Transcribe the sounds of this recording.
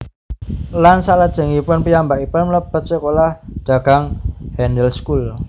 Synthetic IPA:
lansaʔlad̥ʒ̥ə̤ŋipʊnpijambakipʊnmləb̥ət̪̚sekolahɖ̪̥a̤ɡ̥a̤ŋhɛndəlskul

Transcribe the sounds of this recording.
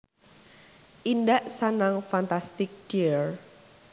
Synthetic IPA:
ʔindaʔsanaŋfant̪ast̪ɪk̚d̥iɹ

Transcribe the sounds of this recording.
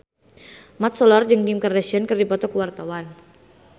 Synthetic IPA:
mat̪̚sɔlard͡ʒɨŋɡimkərɛsiɔnkɨrdipɔt̪ɔkəwart̪awan

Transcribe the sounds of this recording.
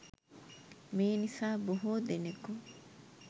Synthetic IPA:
miːnifaːbuɦuːd̪eneku

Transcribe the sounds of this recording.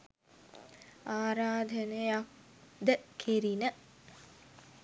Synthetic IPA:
aːɾaːd̪ʱənejak̚ | d̪əkʰeɾinə

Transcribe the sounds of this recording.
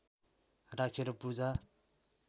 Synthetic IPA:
ɾakʰeɾʌpud͡za

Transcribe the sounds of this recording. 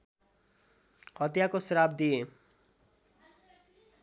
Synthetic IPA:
hʌt̪jakosɾab̚d̪ije

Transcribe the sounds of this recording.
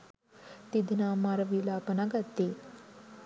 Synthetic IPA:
t̪id̪namaɾʋilapənaɡat̪ːe

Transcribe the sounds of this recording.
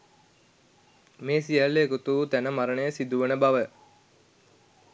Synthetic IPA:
meːsijalːeːkut̪uːt̪ænəmaɾənəjəsid̪uʋənəbaʋə

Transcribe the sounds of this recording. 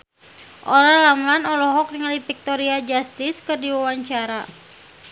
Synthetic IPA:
ʔɔɾalamulanɔlɔɦɔk̚diŋalipik̚t̪ɔɾiad͡ʒast̪ɪskɨrdiwawaɲt͡ʃaɾa

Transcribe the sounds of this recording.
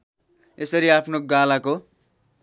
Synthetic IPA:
esʌɾiapʰnoɡalako

